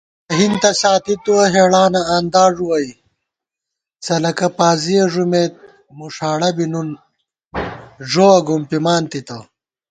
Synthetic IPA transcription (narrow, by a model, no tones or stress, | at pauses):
ɐɦint̪ɐɕaːt̪it̪uɐɦeːɽaːnɐaːnd̪aːʐuwɐj | sɐlɐkɐpaːzijɐʐumeːt̪̚ | muʂaːɽɐbinun | ʐoɐɡumpimaːnt̪it̪ɐ